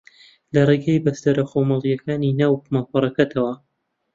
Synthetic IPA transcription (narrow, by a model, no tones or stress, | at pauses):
lɐreɡajbɐst̪ɐɾɐχomɑlˠijɐkaːninaːwmapɨɾˤɐkɐt̪ʰɐwɐ